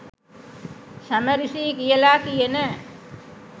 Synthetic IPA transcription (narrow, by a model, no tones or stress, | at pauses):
saməɾisiːkijəlaːkijenə